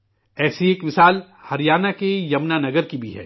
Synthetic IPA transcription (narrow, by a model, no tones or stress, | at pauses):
ɛːsieːkmɪsaːl | hɐɾijaːnakejɐmnanɐɡəɾkibʱiɦɛ̰ː